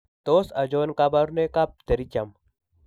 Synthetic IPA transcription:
t̪oːsɐd͡ʒoːnkabaɾunekap̚t̪ɐɾit͡ʃɐm

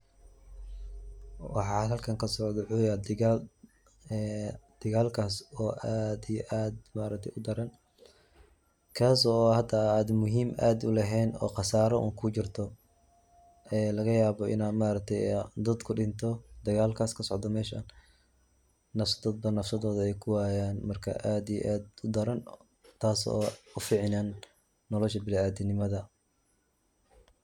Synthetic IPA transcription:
wɑħɑːɦɐlkʰɐŋkʰɐsɔʕd̪ɔwħujaː | d̪̥ɪɣaːlkʰaːsɔːʔaːd̪ijɔʔaːd̪maːɾɐk̚t̪ʰɛjʊd̪ɐɾɐn | kʰaːsɔːhɐd̪ɐaːd̪mʊɦiːmʔa̰ːd̪ʊlɛɦɛːnɔ̰ːqɑsaːɾɔʔṵːŋkʰʊt͡ʃɪrt̪ʰɔ | ʔɛːlɐɣɐjaːβɔʔɪ̰naːd̪maːɾɐk̚t̪ʰɛjɛd̪ɐd̪kʰʊɖɪnt̪ʰɔd̪ɐɣaːlkʰaːskʰɐsɔʕd̪ɔmɛːʃɐn | nɐfsɐ̥d̪ɐd̪̚bɐnɐfsɐðɔːðɐɛjkʰʊwaːjaːnmɐrkʰɐ̰ʔaːd̪ijɛ̰ʔaːd̪ʊd̪ɐɾɐn | t̪ʰaːsɔ̰ːʊfiːʕɪnaːnː | ɔlɔʃɐbɪlaaːd̪ɪnɪmɐðɐ

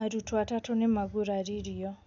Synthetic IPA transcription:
adutwatatɔnɪmaɡuɾaɾiɾijɔ

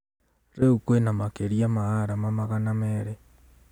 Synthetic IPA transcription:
ɾeukwenamakeɾiamaɣaɾamamaɣanameɾe

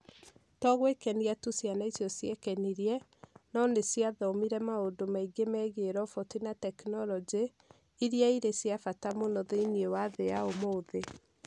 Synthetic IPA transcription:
tɔɣwekɛniatusjanaisjɔsjɛkɛniɾjɛ | nɔnesjaðɔmiɾɛmaodomaiɡemɛːɣeɾɔfɔtinatɛknɔlɔd͡ʒe | iɾjaiɾesjafatamonɔðeiniewaðeaomoːðe

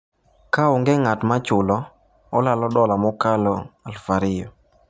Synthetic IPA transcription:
kaʊŋɡɛŋatmat͡ʃʊlɔ | ɔlalɔdɔlamɔkalɔalfaɾɪjɔ̰

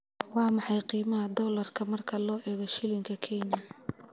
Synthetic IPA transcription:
wɑːmɑħɑjqiːmɐɦɐd̪ɔːlɐrkʰɐmɐrkʰɐlɔːʔɛːɣɔʃɪlɪŋkʰɐkʰɛɲjɐ

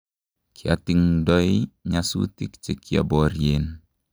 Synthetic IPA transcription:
kʰia̰t̪iŋdɔjɲasṵt̪ikt͡ʃekia̰bɔɾjen

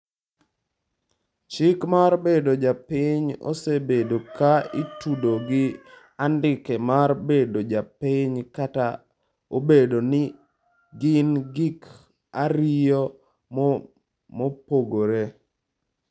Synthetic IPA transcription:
t͡ʃɪkmaɾbedod͡ʒapɪɲo̰sebedokaitudoɡɪ | andɪkemarbedod͡ʒapɪɲkata | obedonɪ | ɡɪnɡik | aɾɪjɔ | mopoɡoɾe

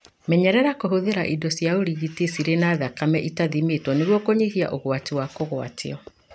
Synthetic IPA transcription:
mɛɲɛɾɛɾakohoðeɾaʔidɔsjaoɾiɣitesiɾenaːðakamɛʔitaðimetwɔneɣwɔkoɲihia̰ʔoɣwatiwakoɣwa̰tʰḭɔ

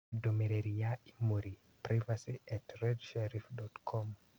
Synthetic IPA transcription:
domeɾeɾijaimoɾi | pɾavasiʔɛtrɛdʃɛɾifdɔtkʰɔm

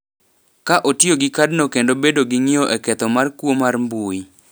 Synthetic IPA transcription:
kaʔotjoɡɪkadnokendobedoɡɪŋioʔɛkɛt̪ɔmarkwomarmbui

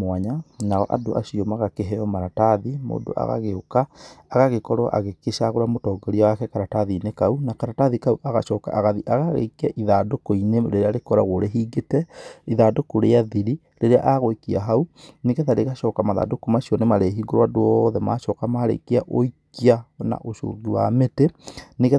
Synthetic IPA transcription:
mwaɲanaɔʔa̰doʔa̰ʃiɔmaɣakeɦɛɔmaɾataðimo̰ːdo̰ʔa̰ɣa̰ɣeokaːɣaɣekɔɾwa̰ʔa̰ɣekeʃaɣoɾamotɔːɡɔɾiawakɛkaɾataðinekaunakaɾataðikauʔaɣa̰ʃɔːka̰ʔaɣaðiʔaɣaɣḛkiaʔiðadokoineɾeɾeaɾekɔɾa̰ɣoɾeɦiːɡetɛiðadokoɾeaðiɾi | ɾeɾea̰ʔaɣoekiaɦauneɣɛðaɾeɣaʃɔːkamaða̰ːdokomaʃiɔnemaɾeɦiɡoɾwadoɔðɛma̰ʃɔːkamaɾḛkiaʔoikiana̰ʔoʃo̰ːɡiwa̰meteneɣɛ

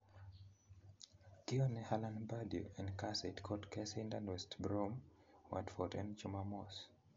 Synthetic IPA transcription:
kiɔnehalãnbadjṵɛ̃nkasetkʰɔdkʰɛsĩndãnwɛstbɹom | wa̰dfɔtɛ̰̃nt͡ʃumamɔs

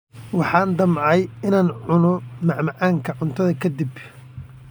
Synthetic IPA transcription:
wɑħɑːnd̪ɐmʕɑjɪnaːnʕʊnɔmɑʕmɑʕaːŋkʰɐʕʊnt̪ʰɐðɐkʰɐd̪ib

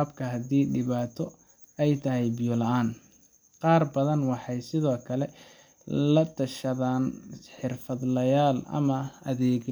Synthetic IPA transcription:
bkʰɐɦɐd̪iːɖɪβaːt̪ʰɔ | ɛjt̪ʰɐɦɛjbɪjɔlɐʔaːn | qɑːrbɐðɐnwɑħɑjsɪðɔːkʰɐlɛ | lɐt̪ʰɐʃɐðaːnħɪrfɐd̪lɐjaːlɐ̰mɐɐðɛːɡ

